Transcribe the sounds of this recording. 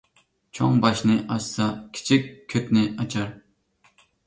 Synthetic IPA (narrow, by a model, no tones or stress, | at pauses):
t͡ʃʰoŋbɑʃnɨʔɑsːɑkʲʰi̥t͡ʃʰikʲʰːøp̪nɪɑt͡ʃʰɑɾ